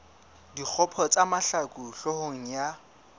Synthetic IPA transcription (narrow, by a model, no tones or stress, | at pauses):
dik͡xʰɔpʰɔt͡sʼamaɬakʼuɬɔhoŋ̩ja